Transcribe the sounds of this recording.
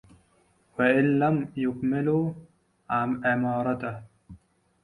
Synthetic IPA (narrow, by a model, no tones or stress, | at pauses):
waʔɪnlamjʊkmɪlu | ɪmɑːɾˤɑt̪ah